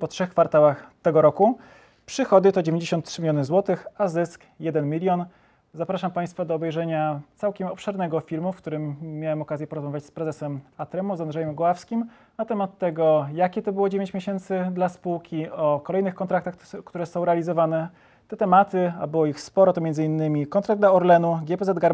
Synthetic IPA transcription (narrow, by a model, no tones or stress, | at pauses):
pɔtʂɛxkfaɾt̪awaxt̪ɛɡɔɾɔku | pʂɘxɔd̪ɘt̪ɔd͡ʑevʲeɲd͡ʑeɕɔ̃nt̪tːʂɘmʲilʲjɔnɘzwɔt̪ɘxazɘsk | jɛd̪ɛnmʲilʲjɔn | zapɾaʂampaj̃st̪fad̪ɔːbɛjʐɛɲat̪sawkʲɛmɔpʂɛɾnɛɡɔfʲiɾmufkt̪uɾɘmːjawɛmɔkazʲjɛpɔɾɔzmavʲjat͡ɕʲspɾɛzɛsɛmat̪ɾɛmuzand̪ʐɛjɛmɡɔwafskʲim | nat̪ɛmat̪ːɛɡɔjakʲɛt̪ɔbɘwɔd͡ʑevʲjeɲt͡ɕmʲjeɕɛnt̪sɘd̪laspuwkʲiɔkɔlɛjnɘxkɔnt̪ɾakt̪axkt̪uɾɛsɔ̃w̃ɾɛalʲizɔvanɛ | t̪ɛt̪ɛmat̪ɘa̰bɘwɔixspɔɾɔt̪ɔmʲjɛnzɘinːɘmʲikɔnt̪ɾaɡ̚d̪laɔɾlɛnuɡʲɛpɛzɛd̪̚ɡaɾ